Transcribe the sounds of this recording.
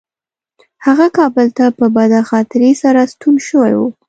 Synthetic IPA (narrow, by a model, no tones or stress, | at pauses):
haɣakɑbəlt̪apəbad̪axɑt̪ɪɾesaɾast̪unʃəwa̰jwṵ